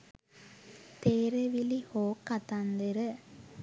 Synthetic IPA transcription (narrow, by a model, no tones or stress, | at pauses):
t̪eːɾeʋilihoːkːɐt̪ɐnd̪ɯɾɯ